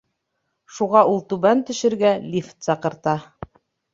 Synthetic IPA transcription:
ʃuʁɑulˠt̪ʉβænt̪ɵ̆ʃɘ̆ɾɡælʲift̪sɑqɤ̆ɾt̪ɑ

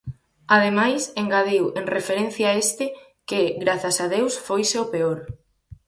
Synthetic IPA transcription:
aðemajseŋɡaðeweŋrefeɾen̟θjaest̪ɪ | kɪɣɾaθasaðewsfojseopeoɾ

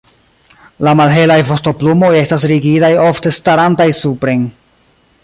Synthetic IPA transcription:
lamalɦe̞lajvo̞sto̞plumo̞je̞stas̬ɾiɡitajo̞fte̞staɾantajsupɾe̞jn

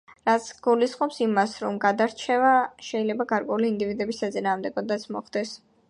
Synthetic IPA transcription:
ɾat̪sʰɡ̥ulisχʼɔpsimasɾɔmɡad̪aɾt͡ʃʰɛvaʃɛilɛbaɡaɾkʼwɛuliːnd̪ivid̪ɛbisːat̪sʼinaːmd̪ɛɡɔd̪at̪sʰmɔ̰χd̪ɛs

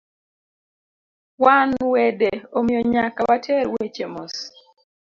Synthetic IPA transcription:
wanwedeomɪjɔɲakawatʰɛɾwet͡ʃemɔs

